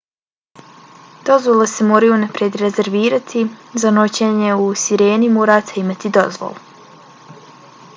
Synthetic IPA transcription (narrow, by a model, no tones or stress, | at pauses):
d̪̥o̞zʋo̞lese̞moːɾajunapɾjed̪ɾeze̞ɾʋiːɾat̪ʰizano̞t͡ɕeɲe̞usiɾe̞ːnimoːɾat̪eimat̪id̪o̞zʋo̰lˠu